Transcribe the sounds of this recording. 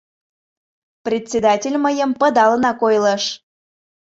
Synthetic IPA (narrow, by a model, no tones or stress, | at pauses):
prʲet̪ʲt͡sʲed̪ɑtʲelʲməjəmpə̆d̪ɑlənɑkojləʃ